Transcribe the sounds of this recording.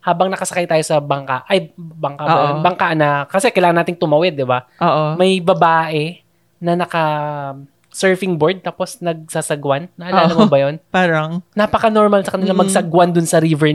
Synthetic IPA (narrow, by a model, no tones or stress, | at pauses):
haːbɐŋnɐkɐsɐkajt̪aːjo̞sɐbɐŋkaʔʔɐjbɐŋkabɐjonbɐŋkaʔnɐkɐsɛkɐjlaːŋɐnːaːt̪ɪŋt̪ʊmɐwɛd̪ːɪbaoʔomɐjbɐbaːʔɛ | nɐnɐkɐ | sɛɹfɪŋboɹd̪̚t̪aːpo̞snɐɡ̚saːsɐɡwanːɐʔɐlaːlɐmobɐjonpaːɾɐŋnapɐkɐnoɹmalsɐkɐnɪlɐmɐɡsɐɡwand̪ʊnsɐɾivɛɹ